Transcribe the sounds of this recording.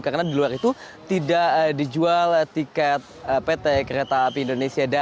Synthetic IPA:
kaɾnadiluaɾit̪u | t̪idaʔdid͡ʒualt̪ikɛt̪̚əpet̪ekəɾet̪apiindonesiada

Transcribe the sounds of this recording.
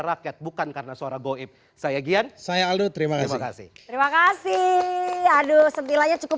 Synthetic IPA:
ɾakɛt̪̚bukankaɾənasəoɾaŋɡoɪp̚ | sajaɡiansajaːlut̪əɾimakasmakasɪ̰t̪əɾimakasi | adosənt̪ilaɲat͡ʃukʊ

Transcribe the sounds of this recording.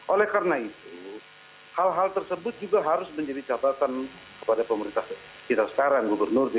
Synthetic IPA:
ʔolɛhkarənait̪u | halɦalt̪ərsəbʊt̪̚d͡ʒuɡaɦaɾʊsməɲd͡ʒadit͡ʃab̪at̪an | kəpadapəməɾint̪a | kit̪asə̥kaɾaŋɡubərnʊrd

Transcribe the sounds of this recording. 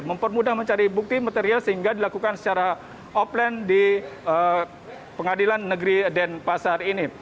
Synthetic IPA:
məmpərmudahməɲt͡ʃaɾibuk̚t̪imat̪eɾialsəɦiŋɡadilakukansə̥t͡ʃaɾa | ɔplɛndiə | pəŋadilanːəɡəɾidɛnpasarini

